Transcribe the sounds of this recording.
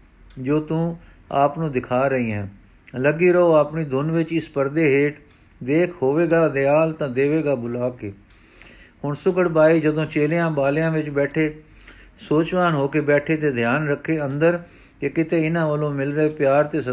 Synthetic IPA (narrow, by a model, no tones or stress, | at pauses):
d͡ʒoːt̪ũː | aːpnũːd̪ɪkʰaːɾəɦiːɦɛ̰̃ː | ləɡiːɾəɦoːaːpniːd̪ʱʊnʋɪt͡ʃɪspəɾd̪eːɦeːʈ | d̪eːkʰɦoːʋeːɡaːd̪eaːlt̪ãːd̪eːʋeːɡaːbʊlaːkeː | ɦʊɳsʊɡəɽbaːiːd͡ʒəd̪õːt͡ʃeːlejãːbaːljãːʋɪt͡ʃbɛːʈʰeː | soːt͡ʃʋaːnɦoːkeːbɛːʈʰeːt̪eːd̪ʱjaːnɾəkʰːeːənd̪əɾ | kekɪt̪eːɪnãːʋəlõːmɪlɾəeːpjaːɾt̪eːs